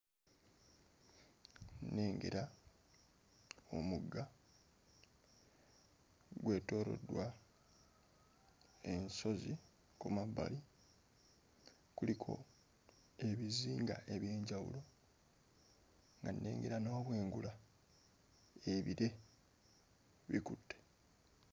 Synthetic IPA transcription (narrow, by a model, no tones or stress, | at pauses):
nːe̞ːŋɡe̞̰ɾa | o̞̰muɡa | ɡwe̞ːto̞ːɾo̞̰dwa | e̞nso̞zi | kumabːa̰li | kulikʰo̞̰ | e̞βiziːŋɡa̰ʔe̞βje̞ːɲɟawṵlo̞ | ŋɡanːe̞̰ːŋɡe̞ɾanoβwe̞ːŋɡula | eβiɾe̞ | βikutːe̥